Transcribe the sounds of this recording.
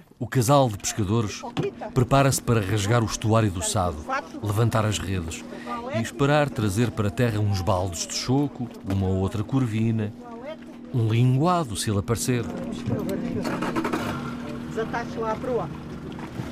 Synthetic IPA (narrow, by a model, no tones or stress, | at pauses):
ukɐzalˠd̪ɨpɨ̥ʃkɐðoɾʃpɾɨpaɾɐspɐɾɐːʁɐʒɣaɾuʃt̪uaɾjuðusaðulˠɨvɐ̃nt̪aɾɐʒʁeðɨʃiʃpɨɾaɾt̪ɾɐzeɾpɐɾɐt̪ɛʁɐũʒβalˠd̪uʒðɨʃoku | umɐot̪ɾɐkuɾvinɐ | ũlˠĩŋɡwaðuselˠɐpɐɾseɾɐ | d̪zɐt̪aʃuapɾua